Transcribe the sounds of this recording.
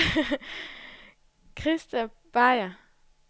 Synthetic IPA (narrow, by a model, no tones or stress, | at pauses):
kʰʁisd̥æb̥ɑɪɐ